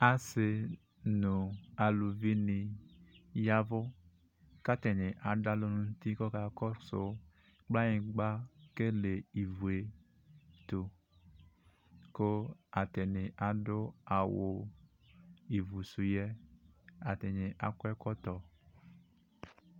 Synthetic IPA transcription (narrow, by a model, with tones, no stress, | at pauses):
a˨sɪ˨ | nũ˨a˨lu˨vi˦ni˧ | ja˦vʊ˦ | ka˦tɛ˨nɪ̃˨ʔa˨da˦lo˦nũ˦n̩˦t̪i˦kɔ˦ka˦kɔ˦so˨ | k͡pla˦ɲĩ˨ɡ͡ba˦ke˦le˨i˨vu˨e˨ | t̪o˨ | ko˦a˨tɛ˨nɪ˨ʔa˨dʊ˦a˨wo˨ | i˨vu˨su˨jɛ˦ | a˨tɛ˨ɲɪ̃˨ʔa˨kɛ˦kɔ˦tɔ˨